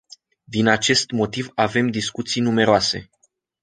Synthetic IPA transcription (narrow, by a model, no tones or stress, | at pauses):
d̪inat͡ʃe̞st̪mo̞t̪ivave̞md̪iskut̪sijnume̞ɾoase̞̰